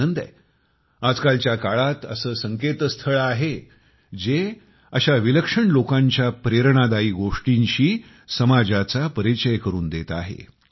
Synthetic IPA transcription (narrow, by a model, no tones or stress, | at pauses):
ənd̪ḛ | ad͡zkalt͡ɕjakaɭat̪ə̰səːsəŋket̪əst̪ʰəɭaɦe | d͡ze | əɕaʋiləkʂəɳlokãɲt͡ɕjapɾeɾɳ̃ad̪aiːɡoʂʈiɲɕiː | səmad͡zat͡sapəɾit͡ɕəjkəɾuːnd̪et̪aɦḛ